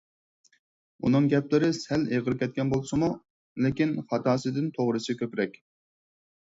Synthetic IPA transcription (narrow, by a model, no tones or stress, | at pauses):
ṵnɨŋɡʲɛplɪɾɪsæleʁəɾkʲɛt̪̚ʲkʲɛnbolˠsɨmu | lɪkʲinχɑt̪ɑːsɨd̪ɪnt̪ʰoʁɾɨsɨkʲʰøpɾɛkʲ